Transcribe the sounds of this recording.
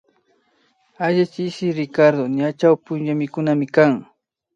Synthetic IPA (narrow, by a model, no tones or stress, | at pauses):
aʎat͡ʃɪʃɪɾɪkaɾd̪oɲat͡ʃawpʊnjamɪkʊnamɪkaŋ